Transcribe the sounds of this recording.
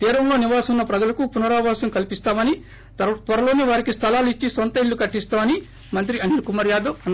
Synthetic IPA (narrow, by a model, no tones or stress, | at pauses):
t̪iːɾɐmlo̞ːniʋaːsɐunːɐpɾɐd͡ʒɐlɐkupunɐɾaːʋaːsɐmkɐlipist̪aːmɐni | t̪ʋɐɾɐlo̞ːneːʋaːɾikist̪ʰɐlaːluit͡ʃːisont̪ɐiɭːukɐʈːist̪aːmɐni | mɐnt̪ɾiɐnilkumɐɾjaːd̪ɐn